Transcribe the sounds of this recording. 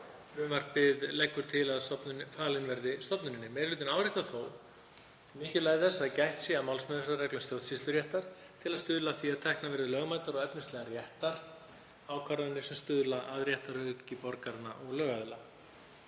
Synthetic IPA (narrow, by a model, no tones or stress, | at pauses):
ɾʏmvaɾ̥pɪðlɛkːʏɾ̥t̪ʰɪlaðsɔpnʏfaːlɪnvɛɾðɪst̪ɔpnʏɾɪnːɪmɛːɾlʏːt̪ɪnaːwɾɪht̪aθoːw | mɪhcʏlajɪθɛsːaðcajht̪sɪamawlsmœðɛɾaɾrɛklʏnst̪jowt̪sist̪ʏɾjɛht̪aɾ̥ | t̪ʰɪlaðst̪ʏːðlaθviaðt̪ʰɛhknavɛɾðʏlœːɣmaːjt̪aɾɔɣɛpnɪst̪ɛɣarjɛht̪aɾ̥ | aːwkʰvaɾðʏnːɪsɛmst̪ʏːðlaʔaðɾjɛht̪aɾhœcɪpɔɾkaɾnaʔɔɣlœːɣaðɪla